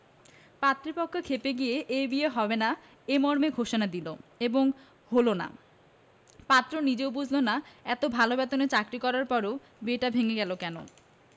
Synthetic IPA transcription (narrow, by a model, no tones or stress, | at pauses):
pat̪ːɾipɔkʰːokʰepeɡijeʔebijeɦɔbena | emɔɾmeɡʱoʃonad̪iloeboŋ | ɦolona̰ | pat̪ːɾonid͡ʑeobud͡ʑʱlonaɛt̪obʱalobɛt̪onet͡ɕakɾikɔɾaɾpɔɾe | beʈabʱeŋeɡɛlokɛno̰